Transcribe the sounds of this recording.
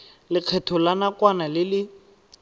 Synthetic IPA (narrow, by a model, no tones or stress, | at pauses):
lɪq͡χʰɛtʰɔlanakwanalɪlɪ